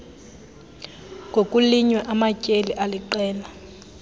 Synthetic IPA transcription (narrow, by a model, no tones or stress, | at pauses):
ŋʱokʼuliɲwɛʔamacʼeliʔaliǃɛːla